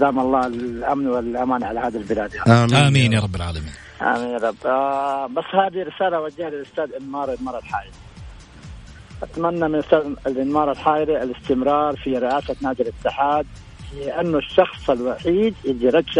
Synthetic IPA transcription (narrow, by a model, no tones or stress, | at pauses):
ad̪aːmɑlˤːɑːɪlʔamnwɪlʔamaːnʕalahaːd̪albɪlaːd̪aamiːnjɑɾˤɑbːɪlʕa̰ːlamḭːn | ʔa̰miːnɾˤɑbːbasːhaːd̪iɾɪsaːlawad͡ʒaːhalɪlʔʊst̪aːd̪ʔɪnmɑːɾˤɪnmɑːɾˤɑlħaːʔɪɾi | ʔat̪manːamɪnʔʊst̪aːd̪ɪlʔɪnmɑːɾˤɪlħaːʔɪɾaɪlɪst̪ɪmɾɑːɾˤfiɾɪʔaːsanaːd͡ʒɪɾɪt̪ːɪħaːd̪̚ | ɪʔanːʊʃːɑxsˤɪlwaħiːd̪jɪd̪iɾˤɑd͡ʒː